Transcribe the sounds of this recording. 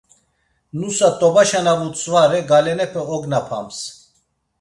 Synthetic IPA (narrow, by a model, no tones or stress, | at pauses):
nusat̪ʼɔbaʃanavut͡sʼvaɾɛɡalɛnɛpʰɛɔɡnapʰa̰ms